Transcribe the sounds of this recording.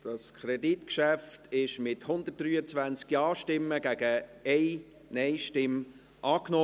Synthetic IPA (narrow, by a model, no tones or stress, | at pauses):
d̥ɑskʰɾɛditkʃæftʰɪʃmɪthʊnd̪ət̚d̥ryːət͡svænt͡skjɑːʃtɪmːəɡ̥æɡəɛɪ | nɛɪʃtɪm | ʔɑːkno